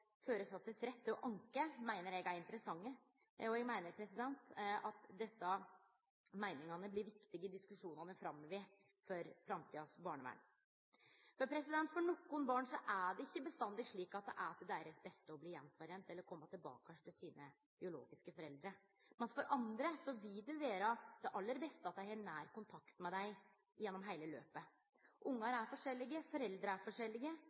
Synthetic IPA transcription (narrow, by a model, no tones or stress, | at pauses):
føːɾəsɑt̪ːəsɾɛt̪ʰːɔʔɑŋkəmæɪnəɾjɛɡæɾɪnt̪əɾəsɑŋːə | ɔjɛɡmæɪnəɾpʰɾɛsɪd̪ɛnt̪ɑt̪d̪ɛsːɑ | mæɪnɪŋɑnəblɪɾʋɪkt̪ɪɡəɪd̪ɪskʉʂuːnɑnəfɾɑmːɔʋɪ | fɔɾfɾɑmt̪ʰiːɑsbɑːɳəʋæ̰n | fɔɾpʰɾɛsɪd̪ɛnt̪fɔɳɔkːʊnbɑːɳʂɔʔæɖɛɪçːəbəst̪ɑnd̪ɪɡʂɭiːkɑt̪̚d̪ɛ̰ʔæɾt̪ɛd̪æɪɾəsbɛst̪əɔbliːjɛnfɔɾɛːnt̪ɛlːəɾkʰɔmːɑt̪ɪlbɑ̰ːkəʂʈ̪ʰɪlsiːnə | b̥ɪʊlo̰ːɡɪskəfɔɾɛld̪ɾə | mɛnfɔɾʔɑnd̪ɾəsɔʋɪld̪ʉʋeːɾɑd̪̥ɛʔɑlːəɾbɛst̪əɑt̪̚d̪æɪhɑːnæːɾkʊnt̪ʰɑkt̪mɛd̪æɪ | jɛnːɔmɦæɪləlø̰ːpə | ʔʊŋːɑɾæɾfɔʂɛlːɪɡəfɔɾɛld̪ɾəæɾfɔʂɛlːɪɡə